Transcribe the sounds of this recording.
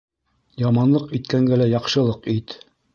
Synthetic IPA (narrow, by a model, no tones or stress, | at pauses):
jɑmɑnlˠɤqit̪kæŋɡælæjɑqʃɤ̆lˠɤqit̪